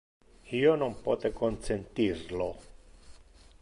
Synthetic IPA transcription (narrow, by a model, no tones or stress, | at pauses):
ionompot̪ekont̪sent̪irlo